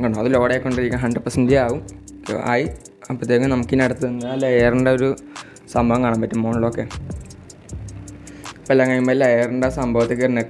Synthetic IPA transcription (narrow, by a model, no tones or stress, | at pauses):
ŋkaɳumɐðɨlo̞ːɽekːoɳɖiɾikʲːɐɦɐɳɖɨpɐsɐndijaːʋum̰ | a̰ːji | pːrɐt̪ːeːɐŋːɡɐnɐmukːinɐɽɐt̪ːɨɐnːɐlːeːrɐɳɖaoɾu | sɐmbʱɐʋɐŋkaːɳampɐtːumːoɳuɭːoːkːeː | pɐlːɐŋːɐjumbɐlilːeːɐreɳɖasɐmbʱɐʋɐt̪ːɐk̬ːɐrne